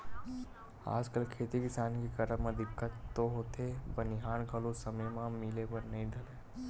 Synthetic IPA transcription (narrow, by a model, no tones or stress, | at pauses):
a̰ːd͡ʒkəlkʰeːt̪ikɪsaːnkikəɾəmɐ̃d̪ɪkːət̪ːoɦoːt̪ʰebənɪɦaːɳkəlosəməjmãmɪlebəɾnɐɦĩd̪ʱɐle